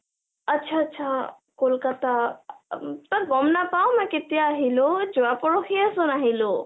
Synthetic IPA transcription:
ətːt͡ʃʰaətːt͡ʃʰa | kolkat̪a | t̪ɔɡɔmnapawmaket̪ijaːɦilod͡ʒowapɔɽokʰiəsonaɦilo

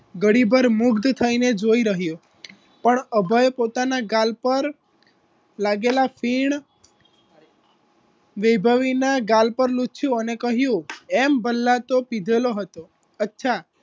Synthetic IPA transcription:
ɡəɽibəɾmʊɡd̪t̪ʰəined͡ʒoiɾəɦjo | pəɳəbʱəjepot̪anaɡalpəɾ | laɡelafʰiɳ | ʋebʱəʋinaɡalpəɾlut͡ʃʰjũənekəɦjũembəlːat̪opid̪ʱeloɦət̪o | ətːʃʰa

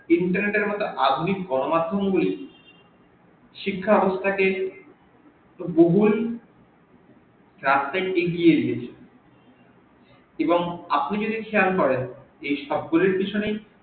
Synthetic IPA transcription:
iɳʈaɾneʈeɾmɔt̪oʔad̪ʱunikɡɔnomad̪ʱːomɡuli | ʃikʰːaɔbost̪ʰake | boɦul | ɾast̪ajeɡijed̪ijet͡ɕʰen | eboŋapnid͡ʑod̪ikʰejalkɔɾen | ejʃɔb̚ɡuliɾpit͡ɕʰonej

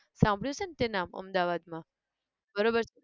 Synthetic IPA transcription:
sãmbʱɽjot͡ʃʰent̪enamə̰md̪aʋad̪mã | bəɾobəɾt͡ʃʰ

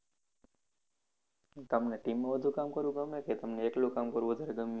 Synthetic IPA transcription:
t̪əmneʈimːãʋəd̪ʱukamkəɾʋũɡəmːeket̪əmneeklokamkəɾʋud̪ʱəɾeɡəmːi

